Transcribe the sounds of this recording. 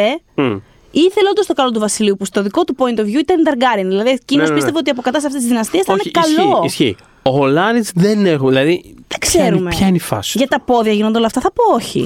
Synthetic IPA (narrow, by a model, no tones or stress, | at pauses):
e | iθe̞leond̪ost̪o̞kɐlo̞t̪uvɐsiliupust̪o̞ðiko̞t̪upo̞int̪ovʝuit̪ɐnid̪ɐɾɡɐɾinðilɐðiecinospistt̪eveo̞t̪iɐp̬okɐt̪ɐsɐft̪esizðinɐst̪iesθɐnekɐlo̞isçi | oolɐnizðenexuðilɐðiekse̞ɾumeçɐinifɐ̰sʝɐt̪t̪ɐpo̞ðiɐʝinond̪eolɐft̪ɐθɐpo̞oçḭ